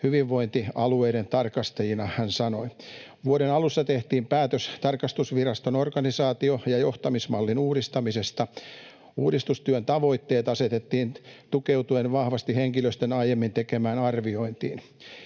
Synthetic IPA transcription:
hyʋiʋːoint̪iɑlueiɾent̪ɑrkɑst̪ɑjinɑhænsɑnoiʋuoɾenɑlusːɑt̪eht̪iːmpæːt̪øst̪ɑrkɑst̪usʋirɑst̪onorkɑnisɑːt̪iojɑjoht̪ɑmismɑlːinuːɾist̪ɑmisest̪ɑ | uːdist̪ust̪yønt̪ɑʋo̞it̪ːeːt̪ɑset̪et̪ːiːnt̪ukeut̪uenʋɑhʋɑst̪iheŋkiløst̪enɑjemːint̪ekemæːnɑrʋioint̪ḭːn

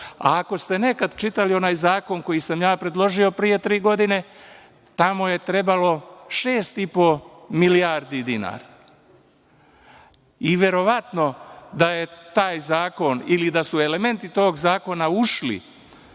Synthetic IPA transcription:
a̰ːko̞st̪e̞ne̞kad̪t͡ʃit̪alio̞naːjzaːko̞ŋko̞jisamjaːpɾe̞d̪lˠo̞ʒio̞pɾije̞t̪ɾiːɡo̞d̪ine̞ | t̪amo̞je̞t̪ɾe̞balo̞ʃe̞ːst̪ipo̞miliaːɾd̪id̪ina̰ːɾa | iʋje̞ɾo̞ʋat̪no̞d̪aje̞t̪aːjzaːko̞nilid̪asue̞le̞me̞nt̪it̪o̞ːɡzaːko̞nauʃlḭ

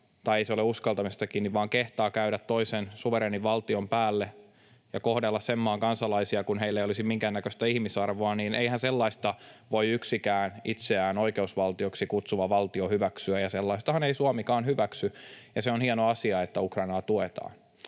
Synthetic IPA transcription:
t̪ɑieiseoleuskɑlt̪ɑmist̪ɑkiːnːiʋʋɑːŋkeht̪ɑːkæyɾæt̪toisensuʋeɾeːniʋʋɑlt̪iompæːlːe | jɑkohdelːɑssemːɑːŋkɑnsɑlɑisiɑkunɦeilːejolisimiŋkænːækøst̪æihmisɑrʋoɑniːnʔeihænselːɑist̪ɑʋoiyksikæːnʔit̪seæːnoikeusʋɑlt̪ioksikut̪suʋɑʋɑlt̪iohyʋæksyæjɑselːɑist̪ɑhɑneisuɑmikɑːnhyʋæksyjɑseonhienoɑsiɑet̪ːæukrɑinɑːt̪uet̪ɑ̰ːn

